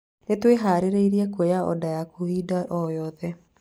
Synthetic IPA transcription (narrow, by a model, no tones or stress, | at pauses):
netweɦaːɾeɾeiɾiɛkwejaɔ̰dajakoiːdaʔɔjɔːðɛ